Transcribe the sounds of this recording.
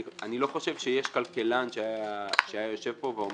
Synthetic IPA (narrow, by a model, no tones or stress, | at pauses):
anilo̞χo̞ʃevʃejeʃkalke̞lanʃeajaʃeajajo̞ʃe̞vpo̞veom